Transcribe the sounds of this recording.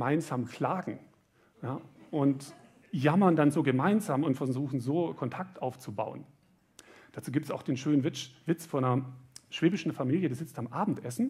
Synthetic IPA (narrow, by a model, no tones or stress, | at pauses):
maɪnzaːmkʰl̥aːɡŋ̩ | jaːʔʊnt | jamɐndanzoːɡəmaɪnzaːmʊntfɛɐzuːxn̩zoːkʰɔntʰak̚tʔaʊft͡suba̰ʊən | d̥aːt͡suːɡiːptsaʊxd̥eːnʃøːnənvɪsv̥ɪt͡sfɔnɐʃv̥eːbɪʃn̩famiːljədiːz̥ɪt͡stamʔaːbm̩tʔɛsn̩